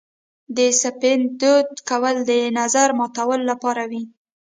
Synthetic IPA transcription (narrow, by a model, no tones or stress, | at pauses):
d̪əsapɪnd̪od̪kawəld̪ənazaɾmɑt̪awəlːapɑɾawi